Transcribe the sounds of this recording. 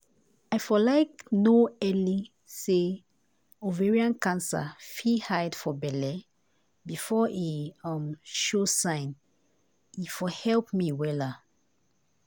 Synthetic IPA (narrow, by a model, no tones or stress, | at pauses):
ajfɔlaɪknoɛli | se | oveɹiãnkãnsa̰fihajdfɔbɛlɛ | bifɔiʌmʃosãɪ̃n | ifɔhɛlpmiwɛla